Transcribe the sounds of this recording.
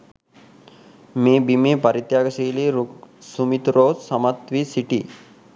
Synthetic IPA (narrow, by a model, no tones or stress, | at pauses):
meːbimeːpɐɾit̪jaːɡɐsiːliːɾusumit̪uɾoːssamat̪ʋiːsiʈḭː